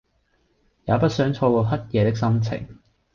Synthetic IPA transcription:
jaː˨˧pɐ˥t̚sœː˨˥ŋt͡ʃʰɔː˧kɔː˧ɦɐ˥t̚jɛː˨˧t̪ɪ˥k̚sɐ˥mt͡sʰɪ̰˨˩ŋ

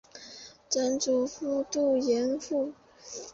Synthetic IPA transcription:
ʈ͡ʂa˧˥nʈ͡ʂu˨˩fu˥t̪u˥˩jɛ˧˥nfu˥˩

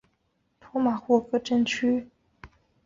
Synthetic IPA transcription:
t̪ʰu˧˥ma˨˩xwɔ˥˩kɤ˥˩ʈ͡ʂə˥nt͡ɕʰy˥

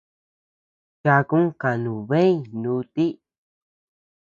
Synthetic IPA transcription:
t͡ʃa˧kũ˦ka˨nũ˨βẽ˦ĩ˦nũ˧˦˧t̪i˦

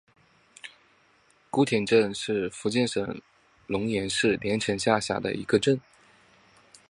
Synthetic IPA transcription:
ku˥t̪ʰjɛ˨˩nʈ͡ʂə˥˧nʂɻ̩˥˩fu˧˥t͡ɕjɛ˥˩nʂɤ̰˨˩ŋ | lʊ˧˥ŋjɛ˧˥nʂɻ̩˥˩ljɛ˧˥nʈ͡ʂʰɤ˧˥nɕja˥˧ɕja̰˥˩d̪ə̰˦i˧˥ɡə˧ʈ͡ʂə˥˩n

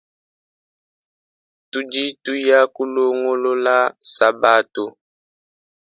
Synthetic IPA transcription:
tu˦d͡ʒi˦tu˦ja˦ku˦lo˦ŋo˦lo˦la˦sa˨ba˦tu˨

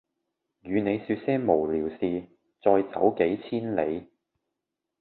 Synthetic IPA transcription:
jyː˨˧ne˨˧jsyː˧t̚sɛː˥ŋmo˨˩wliː˨˩wsiː˨˧ | t͡sɔː˧jsɐ̰˨˥wke˨˥jt͡sʰiː˥nle˨˧j

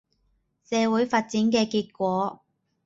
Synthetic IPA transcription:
sɛː˨˧wu˨˥jfaː˧t̚t͡sɪ˨˥ŋkɛː˧kiː˧t̚kʷɔː˨˥

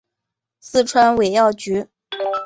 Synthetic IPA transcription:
sɹ̩˥˧ʈ͡ʂʰwa˥nwe˨˩ɪjɑ˥˩ʊt͡ɕy˧˥

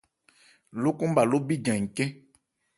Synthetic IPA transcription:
lo˦kũ˦m˦ba˨lo˦bi˦d͡ʒã˨ŋi˨kɛ˦

